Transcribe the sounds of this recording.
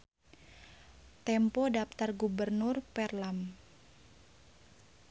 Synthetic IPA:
t̪ɛmpɔdapt̪arɡubərnʊrpɛrlam

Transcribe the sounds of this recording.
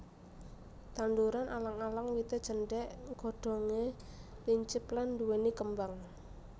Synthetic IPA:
t̪and̪uɾanʔalaŋalaŋwit̪ed̥ʒ̥ə̤nɖɛʔɡ̥ɔ̤ɖ̥ɔ̤ŋe | liɲt͡ʃɪplanduwenikəmbaŋ

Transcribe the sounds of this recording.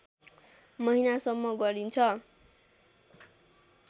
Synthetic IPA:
mʌɦinasʌmːʌɡʌɾint͡sʰʌ

